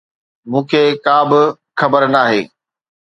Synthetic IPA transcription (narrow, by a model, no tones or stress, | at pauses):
mũːkʰeːkaːbɪ | xɐbəɾnaːɦḛː